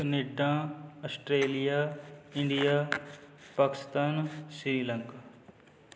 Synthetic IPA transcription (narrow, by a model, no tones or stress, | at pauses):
nɪɖːãːɐsʈɾeːlijaːɪ̃ɳɖijaːpaːkɪ̥st̪aːnsɾiːlə̃ŋkː